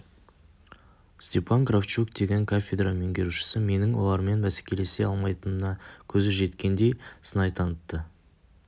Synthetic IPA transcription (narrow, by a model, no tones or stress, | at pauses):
st̪ʲe̞pʰanɡraft͡ʃukd̪e̞ɡʲe̞ŋkʰafʲed̪rameŋɡʲe̞ɾuʃɪ̥sɪme̞nɪŋwo̞̰lˠɑɾme̞nbæse̥kʲe̞le̞se̞ɑlˠmɑjt̪ənənɑkʲʰɵzɪʒe̞t̪kʲe̞nd̪e̞jsənɑjt̪ʰɑnət̪ːə